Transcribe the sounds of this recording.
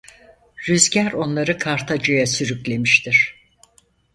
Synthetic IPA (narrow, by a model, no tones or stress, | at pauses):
ɾyzɟæɾo̞nlˠaɾɯkʰaɾt̪ʰad͡ʒajasyɾyclʲe̞miʃt̪ʰiɾ̥